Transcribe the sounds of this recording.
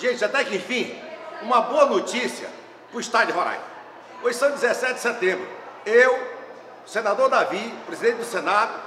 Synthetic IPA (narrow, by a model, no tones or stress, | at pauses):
ʒẽt͡ʃɪat̪ɛkɪẽfĩũmɐboɐnot͡ʃisiɐ̰ | pɾʊist̪ad͡ʒʊɦoɾa̰j | ojsɐ̃d͡ʒizɛsɛt͡ʃɪd̪ɪsɛt̪ẽmbɾʊew | senad̪oɾd̪avipɾezid̪ẽnt͡ʃɪd̪ʊsenad̪ʊ